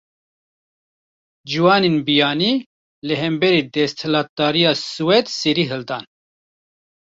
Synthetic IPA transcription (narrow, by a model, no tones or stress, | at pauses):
d͡ʒiwɑːnenbijɑːniː | lɨɦɛmbɛɾiːd̪ɛst̪hɨlɑːt̪̚d̪ɑːɾijɑːsɨwɛd̪siɾiːɦɨld̪ɑːn